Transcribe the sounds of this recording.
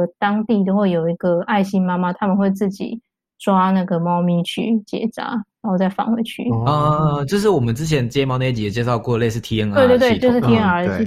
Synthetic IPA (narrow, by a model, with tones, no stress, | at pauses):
t̪ɑ˥ŋt̪i˥˩t̪o˥ʊxwe˥˩ɪjo˨˩ʊi˧˥ɡə˨a˥˩ɪɕi˦ŋma˥ma˧t̪ʰa˥mə˨nxwe˥˧ɪt͡sɹ̩˥˩t͡ɕḭ˨˩ | ʈ͡ʂwa˥na˥˩ɡə˩mɑ˥ʊmi˧˥t͡ɕʰy̰˥˩t͡ɕjɛ̰˨˩˦t͡sa̰˨˥˦na˨˩˦ho˥˧ʊt͡sa˥˩ɪfɑ̰˥˩ŋwe˧˥ɪt͡ɕʰy̰˥˩ɔ˥˧t͡ɕo˥˧ʂɻ̩˥˩wɔ˨˩mə˨˦nt͡sɻ̩˥t͡ɕʰjɛ˧˦nt͡ɕmɑ˥ʊn˥˩t͡ɕi˨˩˨t͡ɕɛ˥˧ʂɑ˥˧ʊkwɔ˥˨le˥ɪsɹ̩˥˩t̪ʰi˥ə˧˥ŋw̪we˥ɪ˧t͡ɕo˥˧ʊ˧ʂɻ̩˥˩t̪ʰi˥ə˥ŋə˧i˧˩